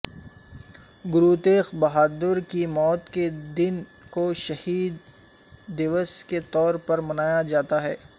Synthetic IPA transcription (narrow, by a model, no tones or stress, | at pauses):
ɡʊɾuːt̪eːxbɐɦaːd̪ʊɾkimɔːt̪ked̪ɪn | koʃɐhiːd̪ː | ɪʋəsket̪ɔːɾpɐɾmɐnaːjad͡ʒaːt̪aɦɛː